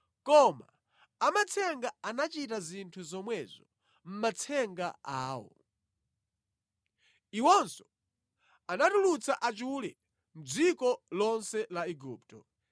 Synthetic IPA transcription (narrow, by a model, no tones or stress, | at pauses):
kɔma | amat͡sʰɛŋɡaanat͡ʃitazintʰuzɔmwɛzɔ | m̩mat͡sʰɛŋɡa̰aːwɔ̰ | iwɔnsɔ̥ | anatulut͡sʰaʔat͡ʃulɛ | m̩d͡zikɔlɔnsɛlaɛɡuːp̚tɔ